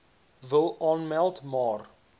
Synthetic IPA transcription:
vəlˠʔɑːnmɛlˠtmɑːr

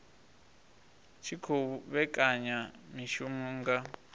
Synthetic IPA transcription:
t͡ʃʰikʰouβɛkʼaɲamiʃumuːŋɡa

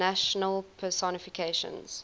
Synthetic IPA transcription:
aʃənəlˠpʰəsɔnɪfikʰeʃə̰̃nz̥

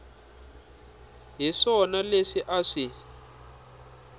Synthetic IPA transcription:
ɦiʂɔnaleʂiʔaʂi

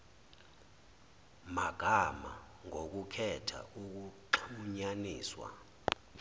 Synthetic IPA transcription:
maɡ̥ʱama̰ | ŋok̬ukʰɛtʰa̰ʔuk̬uǃʰuɲaniːswa̰

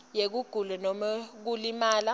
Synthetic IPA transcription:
jek̬uɡ̥ʱulɛnɔmak̬ulimaːla

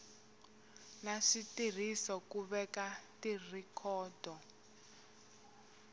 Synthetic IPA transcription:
naʂitir̤isɔkuβɛkatirikʰɔːdʱɔ

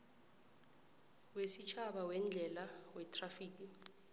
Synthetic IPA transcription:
wesit͡ʃʰaɓawɛnd͡ɮʱɛlawɛtʰʼrafiːk̬ʼi

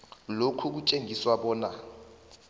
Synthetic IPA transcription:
lokʰuk̬ut͡ʃʼeŋʱiswaɓɔːna

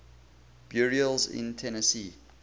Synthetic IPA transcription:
b̥juɹiəlˠzɪ̰̃ntʰɛnəsiː

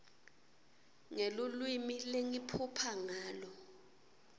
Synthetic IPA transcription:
ŋelulwimileŋipʰupʰaŋaːlɔ

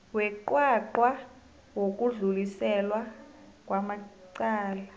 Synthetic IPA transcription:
wɛǃwaǃwa | wok̬ʼuɮulisɛlwa | k̬ʼwamaǀaːla

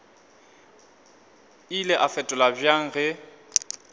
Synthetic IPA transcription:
ilɛʔafɛtʼʊlabjaŋ̩ɣɛ

